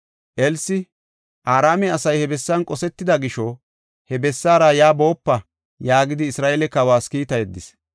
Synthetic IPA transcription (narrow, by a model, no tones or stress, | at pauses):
ʔɛlsɪ | ʔaːɾaːmɛɐsɐjhɛbɛsːɐnkʼɔsɛt̪ːɪd̪ɐɡɪʃɔ | hɛbɛsːaːɾajaːbo̞ːpːɐ | jaːɡɪd̪ɪːsɾaːʔelɛkɐwaːskiːt̪ɐjɛd̪ːɪs